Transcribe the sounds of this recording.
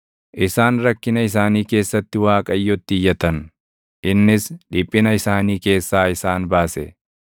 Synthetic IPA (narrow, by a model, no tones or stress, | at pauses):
ʔɪsaːnɾɐkːɪnɐɪs̬aːniːke̞ːsːɐt̪ːɪwaːkʼɐjːɔt̪ːɪjːɐt̪ɐn | ʔɪnːɪsᶑɪpʼːɪnɐɪsaːniːke̞ːsːaːɪsaːnbaːsɛ̰